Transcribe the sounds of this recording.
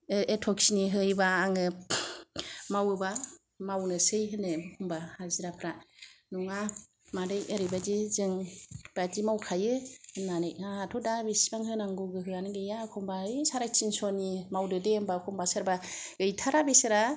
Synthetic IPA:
ɯetʰɔksiniɦɯjbaːŋɯ | mawɯba | mawnɯsɯjɦɯnɯkʰumbahaziɾapʰɾanɔŋa | madɯjeɾɯjbad͡ʒizɯŋb̥ad͡ʒimawkʰajɯnanɯjaatʰɔdabisbaŋhɯnaŋɡuɡɯɦɯanɯɡɯjakʰɔmbaɯjsaɾajt͡ʃinsɔnimawdɯdembakʰɔmbasɯɾbaɡɯjtʰaɾabesɯɾa

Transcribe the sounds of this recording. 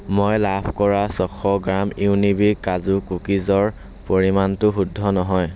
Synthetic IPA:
mojlapʰkɔɹasɔkʰɔɡɹamiwnibikazukukizɔɹ | poɹimantʊxudʱːɔnɔɦɔj

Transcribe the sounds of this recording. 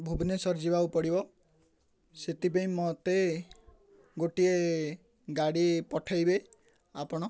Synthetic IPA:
bʱubʱnesɔɾd͡ʒibawpɔɽibɔ | set̪ipaĩmɔt̪e | ɡoʈie | ɡaɽipɔʈʰajbe | apɔɽ̃ɔ

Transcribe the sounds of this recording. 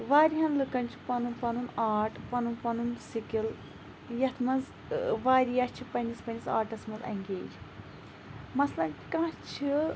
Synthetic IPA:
ʋaːɾʲiɦɐnlɨkɐnʲt͡ʃʰi̥pɐnunpɐnunaːʈʰpɐnunpɐnunsikil | jɐt̪ʰmɐnz | ʋaːɾijat͡ʃʰipɐnʲispɐnisa̰ːʈɐsmɐzɐ̰ŋʲɡʲeːɾʲ | mɐslɐnkãːt͡ʃʰi

